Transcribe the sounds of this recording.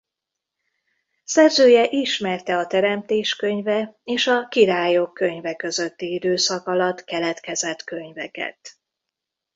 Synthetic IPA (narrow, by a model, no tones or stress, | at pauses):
sɛrzøːjɛʔiʃmɛrt̪ɛɒt̪ɛɾɛmt̪eːʃkø̞ɲvɛeːʃɒkiɾaːjokːø̞ɲvɛkø̞zø̞t̪ːiid̪øːsɒkɒlɒt̪kɛlɛt̪kɛzɛt̪kø̞ɲvɛkɛ̰t̪